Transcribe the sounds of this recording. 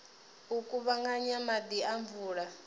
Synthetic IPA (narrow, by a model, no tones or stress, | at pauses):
ukʼuβaŋɡaɲamad̪iaɱvuːɺa